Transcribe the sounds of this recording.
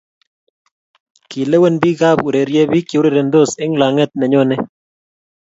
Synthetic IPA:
ki˨le˦we˦˨nbiː˦ɣa˦˨bu˨ɾe˨ɾjɛ˦biː˦ki˨u˦ɾe˨ɾe˨nd̪o˦˨sɪ˦ŋla˨ŋɛ˦t̪̚nɛ˨ɲo˦ne˦

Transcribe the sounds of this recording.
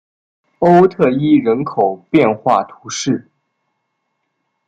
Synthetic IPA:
o˥ʊt̪ʰɤ˥˩i˥ɻə˧˥nkʰo˨˩ʊpjɛ˥˧nxwa˥˩t̪ʰu˧˥ʂɻ̩˥˩

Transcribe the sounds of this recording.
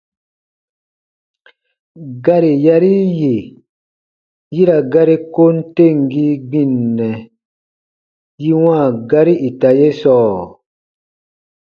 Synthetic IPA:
ɡa˦ɾi˨ja˦ɾi˦je˨ | ji˦ɾa˨ɡa˦ɾi˦ko˦n˦te˦˨ŋɡi˦ɡ͡bĩ˨nːɛ˨ | ji˦wãː˦˨ɡa˦ɾi˦ʔi˨ta˨je˦sɔː˦˨

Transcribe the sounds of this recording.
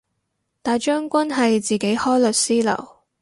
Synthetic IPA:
t̪aː˨jt͡ʃœː˥ŋkʷɐ˥nɦɐ˨jt͡siː˨ke˨˥jhɔː˥jlɵ˨t̚siː˥lɐ̰˨˩w

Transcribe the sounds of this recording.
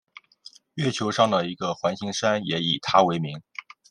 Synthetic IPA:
ɥɛ˥˩t͡ɕʰjo˧˥ʊʂɑ˥˩ŋd̪ə˨i˧˥ɡə˧xwa˧˥nɕi˧˥ŋʂa˥njɛ˧˥i˨˩t̪ʰa˥we˧˥ɪmi˧˥ŋ

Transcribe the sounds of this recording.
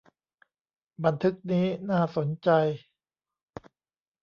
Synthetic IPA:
ba˧nt̪ʰɯ˦˥k̚niː˦˥naː˥˩so˨˩˦nt͡ɕa˧j

